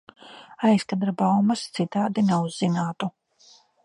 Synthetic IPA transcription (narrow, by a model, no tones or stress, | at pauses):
ajskad̪ɾabawmɐst̪sit̪aːd̪inɛuzːinaːt̪u